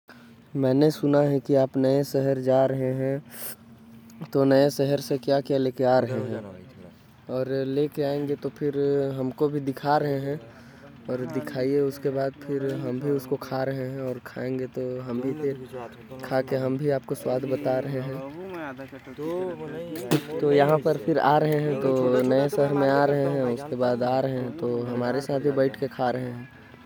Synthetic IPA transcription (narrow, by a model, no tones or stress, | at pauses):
mɛ̃ːnesʊnaɦɛkiaːpnəesɛɦəɾd͡ʒaːɾəɦẽɦɛ̃ | t̪onəesɛɦəɾsekjakjaleːkeaːɾəɦẽɦɛ̃ | ɔːɾlekeaːẽːŋɡet̪opʰɪɾɦɐmkobʱid̪ɪkʰaɾəɦẽɦɛ̃ | ɔːɾd̪ɪkʰaːieʊskebaːd̪pʰɪɾɦɐmbʱiʊskokʰaɾɐɦẽɦɛ̃ɔːɾkʰaːẽːŋɡet̪oɦɐmbʱipʰɪɾ | kʰaːkeɦɐmbʱiaːp̚koswaːd̪ʱbɐt̪aɾɐɦẽɦɛ̃ː | t̪ojɐɦãpɐɾpʰɪɾa̰ːɾəɦeɦɛ̃t̪onɐesɐɦəɾmẽaːɾəɦeɦɛ̃ʊskebaːd̪aːɾəɦẽɦɛ̃t̪oɦɐmaːɾesaːt̪ʰbʱibɐɪʈʰkekʰaɾəɦẽɦɛ̃ː